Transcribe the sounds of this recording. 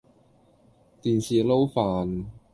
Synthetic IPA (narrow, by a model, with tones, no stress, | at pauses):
t̪iː˨nsiː˨˩lo˥wfaː˨n